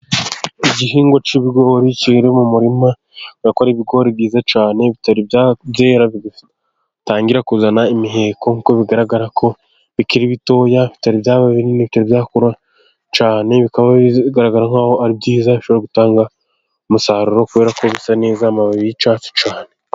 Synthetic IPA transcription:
iɟiɦiːŋɡwot͡ʃiβiɡo̞ːɾiciiɾemumuɾima | ɾakoɾiβiɡo̞ːɾibɡiːzat͡ʃaːne̞βitaɾibabjeːɾaβiɡi | taːŋɡiɾakuzanaimiɦe̞ːko̞ŋuko̞βiɡaɾaɡaɾakʰo̞ | βikiɾiβito̞ːjaβitaɾiβjaːβaβiɾiniβitaɾiβjaːkuɾa | t͡ʃaːne̞βikaβaɡaɾaɡaɾaŋaːhoaɾibɟiːzaβiʃo̞βoɾaɡutaːŋɡa | musaːɾuɾo̞kuβe̞ɾako̞βisane̞ːzamaβaβiit͡ʃaːt͡ʃu̥t͡ʃaːne̞

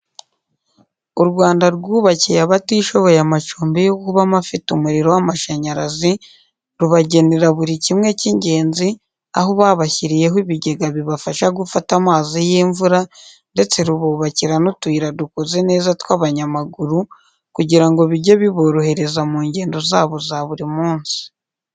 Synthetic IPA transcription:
uɾɡwaːndaɾɡuːβacijaβatiːʃo̞βo̞jamat͡ʃuːmbejo̞kuβamafitumuɾiɾo̞wamaʃaɲaɾazi | ɾuβaɟe̞ne̞ɾaβuɾicimŋe̞ciɲɟe̞ːnzi | aɦoβaːβaçiɾije̞ɦwiβiɟe̞ɡaβiβafaʃaɡufatamaːzijiːɱvuɾa | nde̞t͡se̞ɾuβuːβaciɾanotwiːɾadukoze̞ne̞ːzatwaβaɲamaɡuɾu | kuɟiɾaŋɡo̞βiɟeβiβo̞ɾohe̞ɾe̞zamuːɲɟe̞ːndo̞zaːβo̞zaβuɾimuːnsi̥

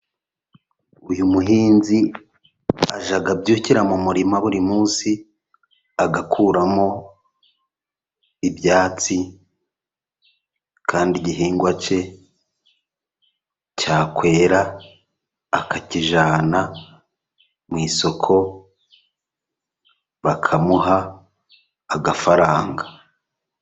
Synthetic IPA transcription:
ujumuɦiːnzi | aʒaɡabɟuːciɾamumuɾimaβuɾimuːnsi | aɡakʰuːɾamo̞ | ibjaːt͡si | kʰaːndiɟiɦiːŋɡwat͡ʃe̞ | caːkwe̞ːɾaː | kʰaciʒaːna | mwiːso̞kʰo̞ | βakʰamuɦa | ɡafaɾaːŋɡa

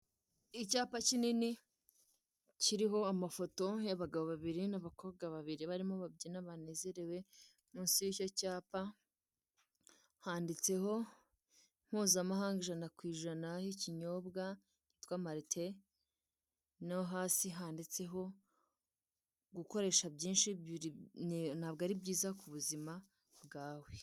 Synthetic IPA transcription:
icaːpacinini | ciɾiɦo̞amafo̞to̞jaβaɡaβo̞βaβiɾinaβako̞ːβɡaβaβiɾiβaɾimoβabɟinaβane̞ːze̞ɾe̞we̞ | mũːnsijico̞caːpa | haːndit͡se̞ho̞ | m̥huːzamaɦaːŋɡiʒanakwiːʒanahiciɲo̞ːbɡa | nitwaːmaɾitʰe | nawoɦaːsiɦaːndit͡se̞ɦo̞ | ɡuko̞ɾe̞ːʃabɟiːnʃi | naːbɡaɾibiːzakuβuzima | bɡaːwe̞

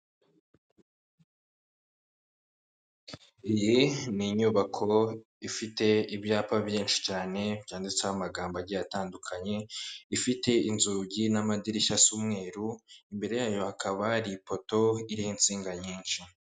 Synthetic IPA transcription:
ijiniɲuβakʰo̞ | ifite̞ibjaːpaβjiːnʃi̥caːne̞bjaːndit͡sehamaɡaːmbaɾɟijataːndukʰaɲe̞ifite̞inzuɟinamadiɾiʃasumŋe̞ːɾuimbe̞ɾe̞jaːjo̞hakʰaβaɾipo̞to̞iɾihint͡siːŋɡaɲiːnʃi

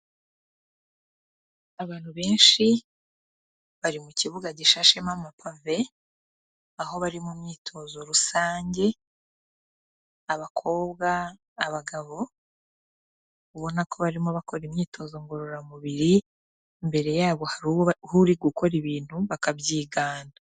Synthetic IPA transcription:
aβaːn̥huβe̞ːnʃi | βaɾimuciβuɡaɟiʃaʃemamapʰave | aɦo̞βaɾimumɲiːtʰo̞zo̞ɾusaːɲɟe̞ | aβakʰo̞ːβɡaː | βaɡaβo̞ | kuβo̞nakʰo̞βaɾimoβako̞ɾimɲiːtʰo̞zo̞ŋɡo̞ɾo̞ɾamuβiɾi | mbe̞ɾe̞jaːβo̞hahuɾiɡuko̞ɾiβiːn̥huβakabɟiːɡaːna

